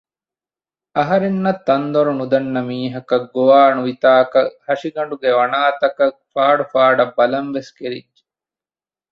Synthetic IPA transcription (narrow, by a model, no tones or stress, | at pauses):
ɐɦɐɾenːɐt̪ːɐnd̪oɾunud̪ɐnːɐmiːɦɐkɐɡːoʋaːnuʋit̪aːkɐhɐʂiɡɐɳɖuɡeʋɐnaːt̪ɐkɐk̚faːɖufaːɖɐbːɐlɐnʋeskeɾḭdd͡ʒe̥